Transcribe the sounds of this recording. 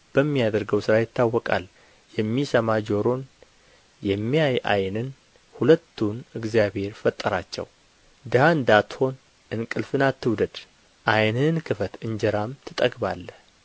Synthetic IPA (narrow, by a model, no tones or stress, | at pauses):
b̥əmːijad̪əɾɡəwsɨɾajɪt̪ːawːɔkʼa̰l | jɛmːisəmad͡ʒo̞ɾo̞n | jɛmːijaja̰jnɨn | hulət̪ʰːunɨɡzijabhe̞ɾfət̪ʼːəɾat͡ʃːɛ̰w | d̪ɨhaɨnd̪at̪ho̞n | ʔɨnkʼɨlfɨnat̪ʰːɨwd̪əd̪ | ʔajnɨnkʰɨfət̪ɨɲd͡ʒəɾamt̪ʰɨt̪ʼəɡbalːəh